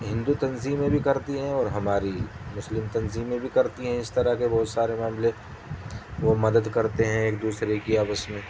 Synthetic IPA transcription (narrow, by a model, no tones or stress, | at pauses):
ɦɪ̃nd̪ut̪ɐnziːmːẽbʱikɐɾt̪iɦɛ̃ɔːɾɦɐmaːɾimʊslɪmt̪ɐnziːmːẽbʱikɐɾt̪iɦɛ̃ɪst̪ɐɾaɦkebɔːʊt̪saːɾemaːmlẽ | ʋomɐd̪əd̪kɐɾt̪eɦɛ̃eːk̚d̪uːsɾekiaːpəsmẽː